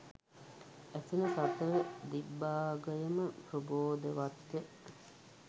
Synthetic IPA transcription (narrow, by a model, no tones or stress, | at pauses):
æsinəsat̪əəd̪ibːaːɡəjəməpɾuboːd̪əʋat̪jə